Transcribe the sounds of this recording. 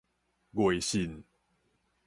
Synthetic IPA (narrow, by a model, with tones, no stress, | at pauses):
ɡwe˨˩jɕi˧˩n